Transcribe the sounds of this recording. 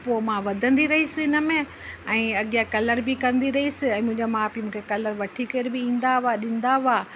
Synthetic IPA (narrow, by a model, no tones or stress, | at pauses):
poːmãʋɐd̪ʱə̃nd̪iɾɐɦisɪɪnə̆mẽ | ɛ̃ːɐɠijakɐləɾbɪkɐ̃nd̪iɾɐɦisɪ̆ɛ̃ːmʊ̃ɦɪ̃ɲd͡ʑomãpimũːkʰekɐləɾʋɐʈʰikeɾbɪĩːn̆d̪aaɗɪ̃n̆d̪aʊaː